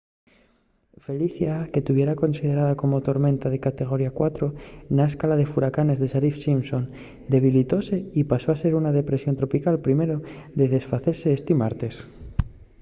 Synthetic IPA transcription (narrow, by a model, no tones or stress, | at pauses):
fe̞liθjake̞t̪uβje̞ɾako̞nsið̞e̞ɾaðako̞mo̞t̪o̞ɾmẽ̞nt̪að̞e̞kat̪e̞ɣ̞o̞ɾiakwat̪ɾo̞naeskalað̞e̞fuɾakane̞zðe̞ʃaɾifsimso̞n | d̪e̞β̞ilit̪o̞se̞ipaso̞ase̞ɾunaðe̞pɾe̞sjo̞nt̪ɾo̞pikalpɾime̞ɾoðe̞ðe̞sfaθeɾse̞ːst̪imaɾt̪e̞s